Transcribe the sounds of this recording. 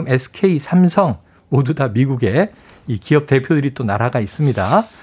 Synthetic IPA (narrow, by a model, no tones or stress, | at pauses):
ɯme̞sʰɯ̥kʰeisʰamsʰʌŋ | modudamiɡuɡe̞ | ikiʌp̚te̞pʰjodɯɾit͈onaɾaɡais͈ɯmɲida